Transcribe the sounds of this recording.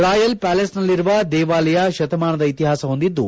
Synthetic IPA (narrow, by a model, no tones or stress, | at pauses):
ɾaːjɐlpæːlesnɐlːiɾuʋɐd̪ɛːʋaːlɐjɐʃɐt̪ɐmaːnɐd̪ɐit̪iɦaːsɐɦo̞nd̪id̪ːṵ